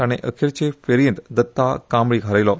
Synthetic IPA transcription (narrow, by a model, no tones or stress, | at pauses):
añeʔəkʰeɾt͡ɕefeɾijə̃nt̪d̪ət̪ːakaːmɭiːɡʱaɾajlɔ